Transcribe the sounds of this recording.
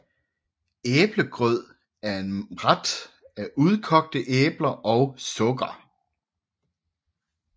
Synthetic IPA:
eːb̥ləɡ̥ʁœð̰ˠ | æɐe̝nʁad̥ | æʔuð̞ˠkʰɒ̽ɡ̥̚d̥əʔeːb̥lɐʔɒʊsɔ̽ɡ̥ɐ

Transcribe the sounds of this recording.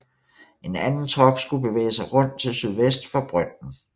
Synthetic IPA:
ʔe̝nænn̩t͡sʰʁɒ̽ɡ̥sɡ̥ub̥e̝ʋḛːsɑ̈ɪʁɔ̽n̰d̥̚t͡sʰe̝lsyð̞ˠʋesd̥fɑ̈b̥ʁœn̰n̩

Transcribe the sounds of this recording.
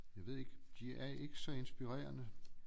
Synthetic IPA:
jɑ̈ɪʋe̝ð̞̰ˠeɡ̥d̥iæɐe̝ɡ̥əsɒ̽e̝nsb̥iʁɛ̰ːɐnə

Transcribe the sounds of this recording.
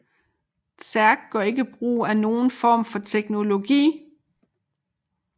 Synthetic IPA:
sʰæɐɡ̥̚ɡ̥ɶɐe̝ɡ̥əb̥ʁṵːæno̝ːn̩fɒ̰ːmfɒ̽t͡sʰeɡ̥no̝lo̝ɡ̥ḭː

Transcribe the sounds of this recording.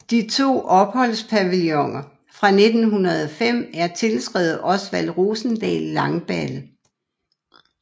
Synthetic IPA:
d̥it͡sʰo̝̰ːʔɒ̽b̥hɒ̽l̰spʰæʋiljɒŋɐ | fʁɑ̈ne̝d̥n̩ɦunɐð̞ˠɒ̽fem̰æɐt͡sʰe̝lsɡ̥ʁɛð̩ˠʔɒ̽sʋæl̰ʁoːsn̩d̥ɛ̰ːlːɑ̈ŋb̥ælə

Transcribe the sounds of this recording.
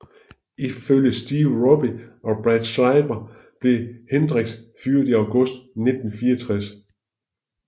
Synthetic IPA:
iføljəsd̥iːʊʁɔb̥iɒ̽b̥ʁad̥sɑɪb̥ɐ | b̥le̝hend̥ʁeɡ̥dsfyɐ̰d̥iɑʊɡ̥ɔ̽sd̥ne̝d̥n̩fiːɐt͡sʰʁas

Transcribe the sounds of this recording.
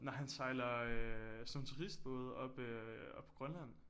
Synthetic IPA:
nɒɦænsɑ̈ɪlɐøsɒ̽mt͡sʰuʁisd̥̚b̥ɔ̰ːð̞̩ˠɒ̽b̥øɒ̽b̥ʰɒ̽ɡ̥ʁɶnlæn̰

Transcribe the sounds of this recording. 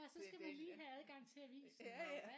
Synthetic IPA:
ɒsɒ̽sɡ̥æʋiliːɦææð̞ˠɡ̥ɑ̈ŋ̰t͡sʰe̝æʋḭːs

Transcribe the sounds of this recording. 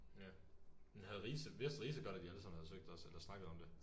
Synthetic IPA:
æ̥ | enɦæðˠʁiːsəʋe̝sd̥ʁiːs̬əɡ̥ɒ̽ɾ̥æd̥iɑnd̥ʁsɒ̽mnhæðˠsøɡ̥̚d̥ɒ̽selɐsnɑ̈ɡ̥ð̩ˠɒ̽md̥e̝

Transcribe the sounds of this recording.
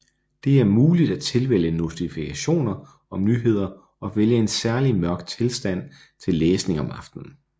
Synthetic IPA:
d̥e̝æɐmuːlid̥æt͡sʰe̝lʋel̰əno̝sifikʰæɕo̝̰ːnɐ | ɒ̽mnyːɦe̝ð̞̰ˠɐ | ɒ̽ʋeljəe̝nsæɐlimɶɐɡ̥̚d̥̚t͡sʰe̝lsd̥æn̰ | t͡sʰe̝lːeːsne̝ŋɒ̽mɑ̈fd̥n̩

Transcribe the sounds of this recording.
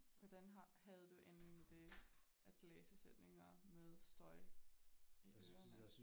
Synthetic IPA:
ʋɒd̥ænɦɑhæð̞̩ˠd̥uʔend̥ʁeŋmed̥e̝ʔæd̥leːsəsed̥ne̝ŋɐmeð̞ˠsd̥ɒ̽ɪ | iʔøɐ

